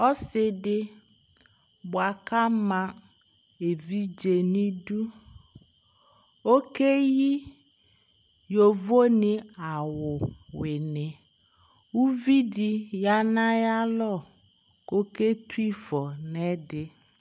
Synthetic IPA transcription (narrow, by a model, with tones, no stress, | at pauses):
ɔ˦sɪ˨dɪ˦ | bʊ˨a˨ka˦mã˨ | e˨vi˦d͡ʒe˨nĩ˦du˦ | o˦ke˦ji˦ | jo˨vo˦nɪ˨a˨wʊ˨wɪ˨nɪ˨ | wu˦vi˦di˨ja˦nã˦ja˦lɔ˦˨ | ko˦ke˦twi˦fɔ˨nɛ˦dɪ˨